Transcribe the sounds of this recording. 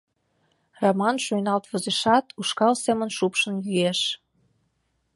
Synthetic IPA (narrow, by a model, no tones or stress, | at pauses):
rɑmɑnʃujnɑlt̪βɤ̆zeʃɑt̪uʃkɑlsemə̆nʃupʃə̆njyeʃ